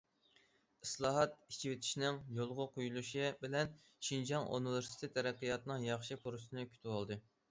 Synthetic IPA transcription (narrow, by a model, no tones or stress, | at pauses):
ɨslˠɑːɦɑt̪̚i̥t͡ʃʰiwet̪ʰɪ̥ʃinɪŋjolˠʁʊqʰojulˠuʃibɪlɛn | ʃind͡ʒɑŋʔṵnɨveɾsi̥t̪ʰɪt̪ʰːɛɾɛqːɨjɑt̪ɨnɨŋjɑχʃipʰoɾusɨnɨkʲʰy̥t̪ʰɪwɑlˠd̪ɨ